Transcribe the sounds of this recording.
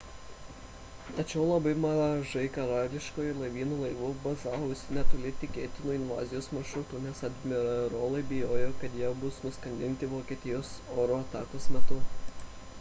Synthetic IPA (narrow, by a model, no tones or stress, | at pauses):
t̪ɐt͡ʃʲɛʊlˠɐbɐɪmɐɐʒɐɪkɐɾɑːlʲɪʃkoːjʊlˠɐɪʋʲiːnuːlˠɐɪʋʊbɐzɑːʋoːʊsʲɪnʲɛt̪oːlʲet̪ʲɪkʲeːt̪ʲɪnuːɪnʋɑ̰ːzʲɪjoːsmɐɾʃɾʊt̪ʊnʲɛsɐd̪ʲmʲɪɾɐɾoːlˠɐɪbʲɪjoːjoːkɐt̪jɛbʊsnʊskɐnʲd̪ʲɪnʲt̪ʲɪʋoːkʲeːt̪ʲɪjoːsoːɾoːɐt̪ɑ̰ːkosmʲɛt̪ʊ